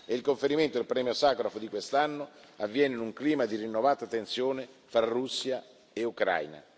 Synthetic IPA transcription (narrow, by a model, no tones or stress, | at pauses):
eilkoɱfeɾiment̪od̪elpɾɛːmjosaːkɾafod̪ikwest̪anːʊavːjɛːnɪnuŋkliːmad̪irinːovaːt̪at̪ensjoːnefɾarusːja | eukɾa̰jna̰